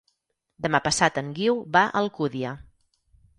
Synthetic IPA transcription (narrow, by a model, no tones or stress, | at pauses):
d̪əmapəsat̪əŋɡiwβaʔəlˠkuðiə